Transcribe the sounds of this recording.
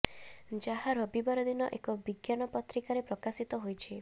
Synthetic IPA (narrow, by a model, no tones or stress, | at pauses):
d͡ʒaɦaɾɔbibaɾɔd̪inɔʔekɔbiɡjanɔpɔt̪ɾikaɾepɾɔkasit̪ɔɦojt͡ʃʰi